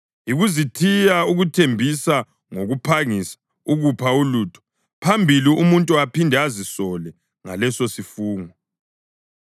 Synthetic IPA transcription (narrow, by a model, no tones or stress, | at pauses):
iɣuzitʰijauɣutʰembʱisa | ŋoɣupʰaŋisḁ | uɣupʰauluːtʰɔ̥ | pʰambʱiliumuntʼuapʰindʱɛazisɔlɛ | ŋa̰lɛsosifuːŋɔ